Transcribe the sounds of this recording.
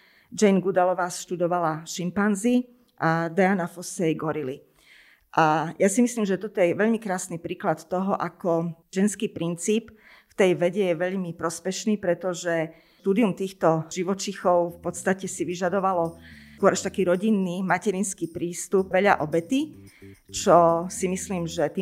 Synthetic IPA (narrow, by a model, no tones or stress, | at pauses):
d͡ʒɛnɡud̪alɔʋaːsʃt̪ud̪ɔʋalaʃimpanzi | ʔad̪ajanafɔsɛjɡɔɾili | ʔajasimisliːmʒɛt̪ɔt̪ɔjɛɛʋɛʎmikɾaːsnipɾiːklat̪t̪ɔɦɔʔakɔʒ̥ɛnskiːpɾint͡siːp | ft̪ɛjʋɛɟɛjɛʋɛʎmipɾɔspɛʃniːpɾɛt̪ɔʒɛ | t̪uːd̪iumt̪iːxt̪ɔʒiʋɔt͡ʃixɔʊfpɔt̪st̪acɛsiʋiʒad̪ɔʋalɔkwɔɾaʃt̪akiːɾɔɟinːimacɛɾinskiːpɾiːst̪up̚ʋɛʎa̰ʔɔbɛt̪i | t͡ʃɔsimisliːmʒɛt̪iː